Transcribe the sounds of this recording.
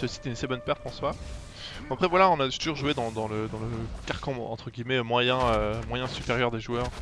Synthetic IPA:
sɛosi̥t̪ynasɛbɔnpɛʁt̪ɑ̃swa | apχɛvwalaɔ̃naʒɛt̪uʒuʁʒued̪ɑ̃d̪ɑ̃ləd̪ɑ̃ləkaʁkɑ̃ɑ̰̃t̪χəɡʲimɛømwajɛ̃ømwajɛ̃sypeʁjœʁd̪eʒuœːʁ

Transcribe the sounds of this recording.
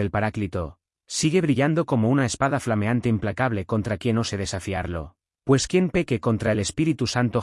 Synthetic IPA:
elpaɾaklit̪o̞ | siɣe̞βɾiʎand̪o̞ko̞mo̞unae̞spaðaflame̞ant̪e̞implakaβle̞ko̞nt̪ɾakje̞no̞se̞ðe̞safiaɾlo̞̰ | pwe̞skje̞mpe̞keko̞nt̪ɾaele̞spiɾit̪usant̪o̞

